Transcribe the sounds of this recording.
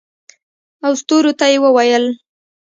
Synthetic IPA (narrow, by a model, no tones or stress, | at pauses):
awst̪oɾot̪ajewəwajəl